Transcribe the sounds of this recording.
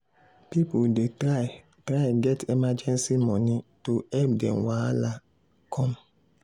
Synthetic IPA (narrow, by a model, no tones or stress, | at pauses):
pipodeta | tɾaɪɡɛtimad͡ʒɛ̃nsimɔ̃nituɛp̚dɛ̰̃mwala | kʰɔ̃m